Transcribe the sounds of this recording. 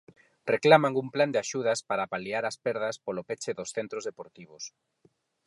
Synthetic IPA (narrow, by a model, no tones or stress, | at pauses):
reklamaŋumpland̪ɪaʃuð̞aspaɾapaliaɾaspɛɾð̞ɐspolopet͡ʃɪðosθent̪ɾozðepoɾt̪iβ̞os